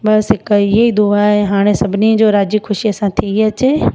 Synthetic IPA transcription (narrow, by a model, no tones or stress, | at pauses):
bɐsɦɪkɪɦeid̪uaɦeɦaːɽ̃esɐbʱɪnid͡ʑoːɾaːd͡ʑikxʰʊʃiɐsãt̪ʰiɐt͡ɕeː